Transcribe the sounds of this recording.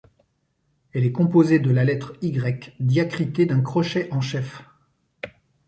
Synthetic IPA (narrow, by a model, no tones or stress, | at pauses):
ɛlɛkɔ̃pozed̪əlalɛt̪χiɡʁɛkd̪jakχit̪ed̪ɛ̃kχɔʃeʔɑ̃ʃɛf